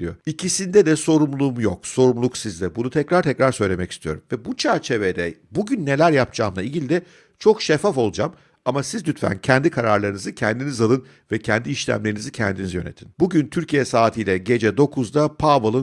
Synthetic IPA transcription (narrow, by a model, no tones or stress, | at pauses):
ijoicʰisind̪ɛd̪ɛso̞ɾumlˠuːmujo̞kso̞ɾumlˠuksizd̪ɛbunut̪ʰɛcɾaɾt̪ʰɛcɾaɾsø̞jlʲe̞mɛci̥st̪ʰijo̞ɾumvɛbut͡ʃʰæɾt͡ʃʰe̞ved̪ɛbuɟynːe̞lʲæɾjapt͡ʃʰaːmlˠailʲɟilʲid̪ɛ | t͡ʃʰo̞kʃefafo̞lˠud͡ʒam | amasizd̪yt̪fæ̰ncʰɛnd̪ikʰaɾaɾlˠaɾɯnɯzɯcʰɛnd̪inizalˠɯn | vɛcʰænd̪iiʃlʲæ̰mlʲe̞ɾinizicʰɛ̰nd̪inizijøne̞̰t̪ʰinbuɟynt̪ʰyɾcijɛsaːt̪ʰijlʲɛɟe̞d͡ʒɛd̪o̞kʰuzd̪apʰabolˠɯ